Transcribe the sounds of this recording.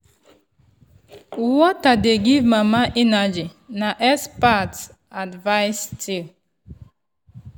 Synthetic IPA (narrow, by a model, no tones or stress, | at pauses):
wɔtadeɡivmamaʔinad͡ʒinaʔɛspats | advaɪstʰil